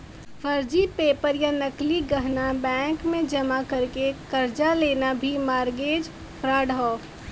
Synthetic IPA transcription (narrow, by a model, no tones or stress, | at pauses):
fɐɾd͡ʒipeːpəɾjanɐkliɡɐɦnabɛ̃ːŋkmẽd͡ʒɐmakɐɾkekɐɾd͡ʒaleːnabʱimaːɾɡeːd͡ʒ | pɾaːɽɦɔː